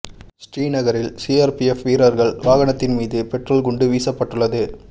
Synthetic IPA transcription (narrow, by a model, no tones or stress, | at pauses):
sʈɾiːnɐɣɐɾɪlsiaːɾpiɛfʋiːɾɐɾɣɐɭʋaːɣɐɳɐt̪ːɪnmiːðɯpɛʈrɐlɡʊɳɖɯʋiːsɐpːɐʈːɯɭːɐðɯ